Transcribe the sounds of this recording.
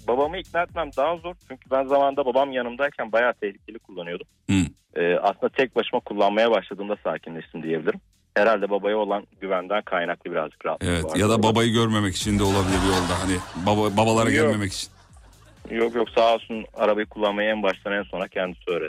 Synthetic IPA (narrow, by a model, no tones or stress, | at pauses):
babamɯicnæt̪̚mæmd̪aɦazo̞ɾt͡ʃʰyɲcʰybænzamand̪ababamjanɯmd̪aɾcʰænbajaːt̪ʰɛhlʲicʰe̞lʲikʰulˠːanɯjo̞d̪umh̩ | ɛːʔa̰slɯnd̪at̪ʰɛc̚baʃɯmakʰulˠːanmajabaʃlˠad̪ɯːmd̪asaːcʰinlʲɛʃt̪ʰimd̪ije̞bilʲiɾim | heɾalʲd̪ɛbabajɯo̞lˠanɟyvænd̪ænkʰajnaklˠɯbiɾa̰zd͡ʒɯ̥kɾaat̪evɛt̪jad̪ababajɯɟøɾme̞mɛci̥t͡ʃʰind̪ɛo̞lˠabilʲibiolˠd̪aɦanɪbabababalˠaɾaɟɛɾme̞mɛci̥t͡ʃʰi̥n | jo̞kjo̞ksaɦlˠsuna̰ɾabajɯkʰulˠːanmajaɛnbaʃlˠanɛnso̞nɾacʰɛnd̪i̥siø̞ːɾed̪